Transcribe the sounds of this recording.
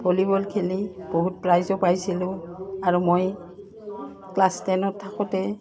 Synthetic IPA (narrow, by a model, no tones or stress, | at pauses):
bolibɔlkʰelib̥oɦut̚pɹajzɔpajsilʊ̃aɹumoj | klastɛnɔtʰːakɔtɛ